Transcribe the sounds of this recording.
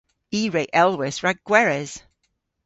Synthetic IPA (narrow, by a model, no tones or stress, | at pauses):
iːɹeɪʔɛlˠwɪsɹaɡ̚ɡ̥wɛɹɛz̥